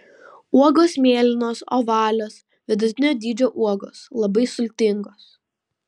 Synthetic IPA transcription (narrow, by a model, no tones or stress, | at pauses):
uɔɡoːsmʲeːlʲɪnoːso̰ːʋɑːlʲoːs | ʋʲɪd̪ʊoːd̪ʲiːd͡ʒʲoːʔuɔɡoːslˠɐbɐɪsʊlʲt̪ʲɪŋɡoːs